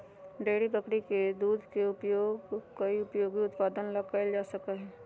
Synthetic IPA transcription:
ɖeːɽipəkɽiked̪uːd̪ʱkeʊpjoːɡkɐiʊpjoːɡiʊt̪paːd̪ənlɐkkald͡ʒaːsɐkaɦɛː

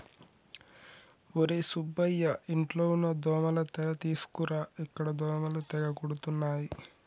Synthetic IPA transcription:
oɾesubːɐjːɐʔiɳʈloːunːɐd̪ɔːmɐlɐt̪ɛlɐt̪iːsu̥kuɾaːikːɐɽɐd̪ɔːmɐlɐt̪ɛɡɐkoɽut̪unːaːji

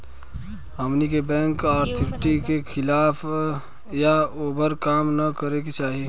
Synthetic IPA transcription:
ɦəmnikebɛ̃ːŋkaːɾt̪ʰɪkʈikekʰɪlaːpʰ | jaoːbəɾkaːmnakəɾeket͡ʃaːɦi

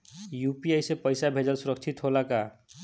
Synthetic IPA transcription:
jupiajsepəjsabʱed͡ʒəlsuɾək̚t͡ʃʰit̪ɦolaka

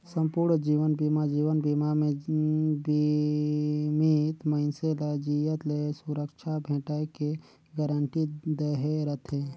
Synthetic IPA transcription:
sə̃mpuːɾɳd͡ʒiːʋənbimad͡ʒiːʋənbimamẽbi | mit̪məɪnselad͡ʒijət̪lesuɾəkʃʰabʱẽːʈaeke | ɡəɾəɳʈid̪əɦeɾət̪ʰẽː

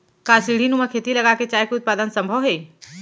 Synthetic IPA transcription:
kasiɽ̤inumãkʰeːt̪iləɡaket͡ʃaːjkiʊt̪̚paːd̪ənsə̃mbʱəʋɦe

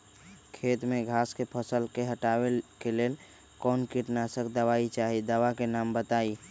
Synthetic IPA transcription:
kʰet̪meɡʱaskepʰəsəlkeɦəʈawekelel | kɔːnkiʈnasəkd̪əʋait͡ʃaɦid̪əʋakenambət̪ai

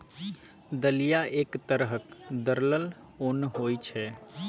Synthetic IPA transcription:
d̪əlijaʔekt̪əɾɦəkd̪əɾləl | onɦojt͡ʃʰɛ

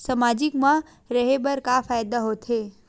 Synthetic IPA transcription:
səmad͡ʒɪkmã | ɾəɦebəɾkafajd̪aɦot̪ʰe

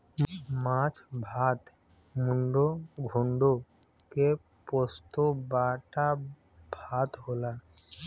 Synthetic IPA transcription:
mãt͡ʃbʱaːt̪muɳɖoɡʱuɳɖokepost̪obaːʈabʱaːt̪ɦoːlaː

